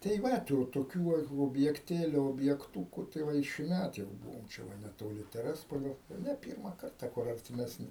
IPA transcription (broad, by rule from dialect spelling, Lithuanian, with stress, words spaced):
tɐɪ ˈʋɐ tuː toːˈkʲuː ʋɐ oːbʲjɛkˈtʲeːlʲʊ oːbʲjɛkˈtuːkʊ tɐɪ ˈʋɐ ɪ ʃʲɪˈmʲæt jɛʊ ˈbuːʋoːm t͡ʃʲɛ ˈʋɐ nʲɛtoːˈlʲɪ tʲɛˈrʲæːspoːlʲoː nʲɛ ˈpʲiːrmɐ ˈkɐrtɐ kʊr ɐrʲtʲɪmʲɛsʲˈnʲɪ